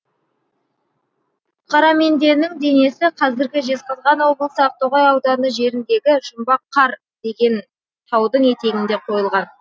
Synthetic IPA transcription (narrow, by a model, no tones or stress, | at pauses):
qʰɑɾɑme̞nd̪e̞ɾnɪŋd̪e̞ne̞sɪqʰɑzɪɾɡʲɪʒe̞sqəzʁɑnwo̞blˠəsəɑq̚t̪ʰoʁɑjɑwd̪ɑnəʒe̞ɾɪnd̪e̞ɡʲɪʒʊmbɑqʰːɑɾ | d̪̥e̞ɡʲe̞n | t̪ʰɑwd̪əɴe̞t̪e̞ɡʲɪnd̪e̞qʰo̞jəlˠʁɑn